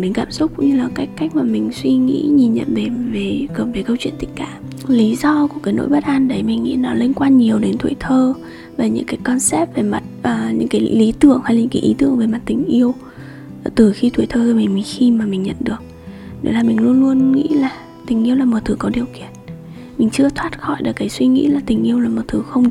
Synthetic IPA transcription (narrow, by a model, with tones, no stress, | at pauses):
ɗe˨˦kaː˧˩msʊ˦˥k͡p̚kʊ̰˧˥ŋ͡mɲɨ˧laː˨˩ka˦˥jk̟kːa˦˥k̚maː˨˩mï˨˩ŋ̟swi˧ŋḭ˧˥ɲi˨˩nɲə̰˧˨nve˨˩ve˨˩ɔ˨˩ve˨˩kə˧wt͡ɕwi˧˨nt̪ï˧˥k̟̚ka̰ː˧˨m | li˨˦zɔ˧ku˧˩əkaː˨˦jno̰˧˥jɓə˦˥t̚ʔaː˧nɗə˨˦jmï˨˩ŋ̟ŋḭ˧˥nɔ˨˦li˧nkwaː˧nɲi˨˩əwɗe˨˦nt̪ʰwḭ˧˨jt̪ʰəː˧ | va˨˩ɲɨ̰˧˥ŋkaː˨˦jkɔ˧nsɛ˦˥p̚ve˨˩ma˨˩t̚ʔəː˨˩ɲɨ̰˧˥ŋkaː˨˦jli˨˦t̪ɨ̰˧˨əŋha˧jla˨˩ɲɨ̰˧˥kːjʔi˨˦t̪ɨ̰˧˨əŋve˨˩ma˨˩t̚t̪ï˨˩ŋ̟ʔi˧əw | t̪ɨ˨˩xi˧t̪ʰwi˧˨jt̪ʰəː˧zɨː˧˩mi˨˩ŋmi˨˩ŋ̟xi˧maː˨˩mï˨˩ŋ̟ɲə̰˧˨nɗɨ˨˩ək̚ | ɗḛ˨˦laː˨˩mï˨˩ŋ̟lu˧ənlu˧ənŋḭ˧˥laː˨˩ | t̪ï˨˩ŋ̟ʔi˧əwlaː˨˩mo˨˩t̪ʰɨ˨˩kɔ˨˦ɗi˨˩əwkḭ˧˩˨ən | mï˨˩ŋ̟t͡ɕɨ˧ət̪ʰwaː˦˥t̚xɔ̰˧˨jɗɨ̰˨˩kaː˨˦jswi˧ŋḭ˧˥laː˨˩t̪ï˨˩ŋ̟ʔi˧əwlaː˨˩mo˨˩t̪ʰɨ˨˧˩xə˧wŋ͡m